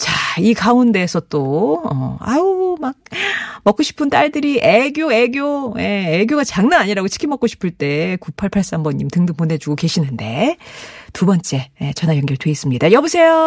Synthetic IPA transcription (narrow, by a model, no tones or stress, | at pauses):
t͡ɕaikaunde̞ːsʰʌt͈oʌ̰a̰umak̚mʌk͈oɕʰi̥pʰɯnt͈aɭdɯɾiʔeɡjoe̞ɡjoje̞ːɡjoɡat͡ɕaŋnaaɲiɾaɡot͡ɕʰi̥kʰimʌk͈oɕʰi̥pʰɯɭt͈e̞kupʰaɭpʰaɭs͈ambʌɲːimtɯŋdɯpone̞d͡ʑuɡoke̞ɕʰinɯnde̞̰ | tubʌnt͡ɕ͈e̞jet͡ɕʌnajʌŋɡjʌɭdwe̞is͈ɯmɲidajʌbusʰe̞jo